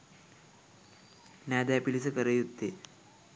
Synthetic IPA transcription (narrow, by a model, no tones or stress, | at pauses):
nad̪apilisəkəɾəjud̪ːe